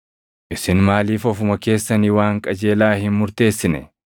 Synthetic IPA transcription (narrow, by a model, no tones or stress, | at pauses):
ʔɪsɪnmaːliːfɔfʊmɐke̞ːsːɐniwaːŋkʼɐd͡ʒe̞ːlaːhɪnmʊɾt̪e̞ːsːɪnɛ̰